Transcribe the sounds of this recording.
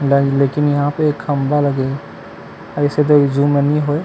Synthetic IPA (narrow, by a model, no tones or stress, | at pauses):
lleːkɪnjəɦãpekhəmbʱaləɡe | əɪset̪̬od͡ʒumẽnĩɦoe